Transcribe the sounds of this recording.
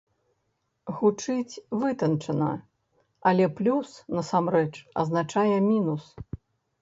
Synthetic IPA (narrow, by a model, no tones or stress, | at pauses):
ɣut͡ʂɨt͡sʲvɨt̪ɐnt͡ʂɐnɐ̰ | ɐlʲɛplʲusnɐsamrɛt͡ʂɐ̰znat͡ʂajɛmʲinus